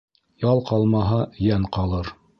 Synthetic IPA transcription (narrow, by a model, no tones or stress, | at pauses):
jɑlˠqɑlˠmɑɦɑjæŋqɑlˠɤɾ